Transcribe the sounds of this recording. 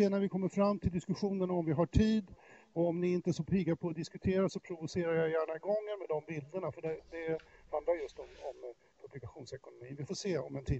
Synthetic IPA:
eːnæɾvɪkʰɔmːəɾfɾamːt̪ʰɪld̪ɪskɵɧuːnəɳɔmvɪɦaʈʰiːd̪ | ɔɔmnɪɪnt̪əsɔpʰiːɡaɾpʰɔːd̪ɪskɵt̪ʰeːɾasɔpʰɾʊvʊseːɾaɾjajjæːɳaɪɡɔŋːənmɛd̪ɔmbɪld̪əɳafœɖɛd̪ɛhand̪laɾjɵst̪ɔmɔm | pʰɵblɪkaɧuːnsɛkʊnʊmiːnvɪfoːseːɔ̰mɛnt̪ʰiː

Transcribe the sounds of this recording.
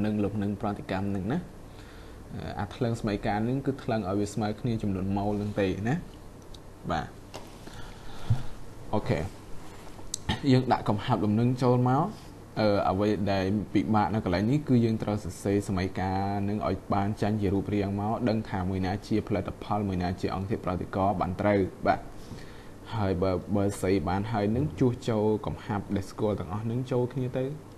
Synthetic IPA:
nɨŋloːp̚nɨŋprɔt̪ʰːekamnɨŋnah | ʔə̰ːʔa̰ːt̪ʰləŋsamajkaːnɨŋkɨːt̪ʰləŋʔaɔjʋiəsmaəwkʰniət͡ɕɑmnuənmoːlnɨŋt̪eːna | ɓa̰ː | ʔoːkʰḛː | jəːŋɗa̰ʔkɑmhaəp̚ɗumnɨŋt͡ɕoːlmaɔ | ʔəːʔə̰ʋəjɗaɛlpiɓaːʔnɨwkəlaɛŋnihkɨːjəːŋt̪rəwsɑseːsaməjkaːnɨŋʔa̰ɔjɓaːnt͡ɕəɲt͡ɕiəɾuəp̚riəŋmaɔɗəŋt̪ʰaːmuəjnaːt͡ɕiəpʰalɨt̪ʰːapʰɑlmuəjnaːt͡ɕiəʔɑ̰ŋt̪ʰiəprɑt̪ːekɑːɓa̰ːnt̪rəwɓaːt̪̚ | haəjɓaːɓaːsəjɓaːnɦaəjnɨŋt͡ɕuəht͡ɕoːlkɑmhap̚ɗaɛlskʊ̆əlt̪ɛ̆əŋʔɑhnɨŋt͡ɕoːlkʰniət̪ɨw

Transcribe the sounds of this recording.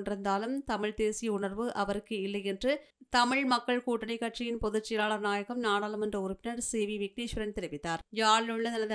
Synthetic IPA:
ɳɖɪɾɯnd̪aːlɯmt̪ɐmɪɻt̪eːsɪjɐʊɳɐɾʋɯʔɐʋɐɾɯkːɯɪlːɐjɛndrɯ | t̪ɐmɪɻmɐkːɐɭkuːʈːɐɳɐɪkːɐʈt͡ʃɪjɪnpɔðɯt͡ʃːɪlaːɭɐɾnaːjɐkɐmnaːɽaːlɐmɛndrɐʊɾʊpːɪnɐɾseːʋiʋɪk̚niːʃʋɐɾɐnt̪ɪɾɪʋɪt̪ːaːɾjaːɭɯɭːɐnɐnɐð

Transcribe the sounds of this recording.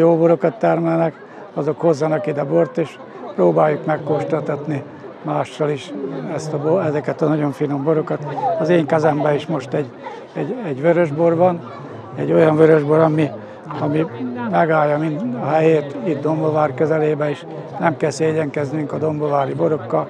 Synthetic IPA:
joːboɾo̞kɒt̪ːɛrmɛlnɛk | ɒzo̞khozːɒnɒkid̪ɛbort̪eːʃ | proːbaːjːukmɛkːoʃt̪ɒt̪ɒt̪ni | maːʃːɒliʃɛst̪ɒboɛzɛkɛt̪ɒnɒɟo̞ɱfino̞mbo̞ɾo̞kɒt̪ɒzeːŋkɛzɛmbɛiʃmo̞ʃt̪ɛɟ | ɛɟɛɟʋøɾøʒbo̞rʋɒn | ɛ̰ɟːo̞jɒɱvøɾøʒbo̞ɾɒmi | ɒmimɛɡaːjːɒmind̪ɒɦɛjeːt̪it̪̚d̪o̞mbo̞vaːrkø̞zɛleːbɛiʃ | nɛmkɛlseːɟɛŋkɛznyŋkɒd̪o̞mbovaːɾibo̞ɾo̞kːɒl

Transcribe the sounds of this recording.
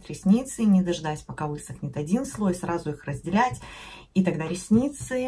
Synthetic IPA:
t̪ɾʲɪsʲnʲit̪sɨnʲɪd̪ɐʐɨd̪atʲpɐkavɨsəknʲɪt̪ɐdʲinslˠo̞jsɾazʊixrəzʲdʲɪlʲætʲ | it̪ɐɡd̪aɾʲɪsʲnʲit̪sɨ

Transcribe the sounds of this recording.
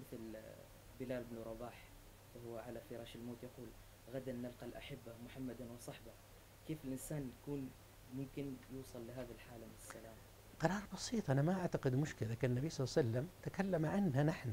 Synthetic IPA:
mɪθl | bɪlaːlbnuɾˤɑbaːħ | wɪhʊwːʕalafɪɾˤɑːʃalmoːt̪jaquːl | ɣad̪anːalqɑlʔaħɪbːamʊħamːad̪anwɪsˤɑħba | keːfɪlʔɪnsaːnjakuːn | mʊmkɪnjuːsˤɑlːɪɦaːðalħaːlamɪnɪsːalaːma | qɑɾˤɑːɾˤbɑsiːt̪ˤʔanamaʔaʕt̪aqɪd̪mʊʃkɪlaakanɪnːabijsˤɑsalːamt̪akalːamʕanːanaħna

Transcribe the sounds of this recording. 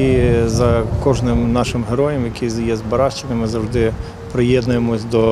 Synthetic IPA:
izɐkɔʒnɪmnɑʃɪmɦeɾɔjɐmjɐkʲijɛzbɐɾɑʃt͡ʃenʲɐmɪzɐwʒd̪ɪ | pɾɪjɛd̪nʊjemɔsʲd̪ɔ

